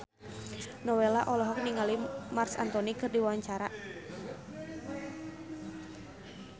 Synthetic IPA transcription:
nɔwelaʔɔlɔɦɔk̚niŋalimarsa̰nt̪ɔnikɨrdiwawaɲt͡ʃaɾa

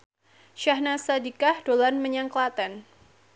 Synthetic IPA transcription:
ʃahnasadikahdolanməɲaŋklat̪ɛn

